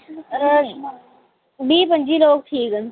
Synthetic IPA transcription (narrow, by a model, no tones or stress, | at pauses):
bʱiːpə̃ɲd͡ʒiːloːk̚ʈʰiːkən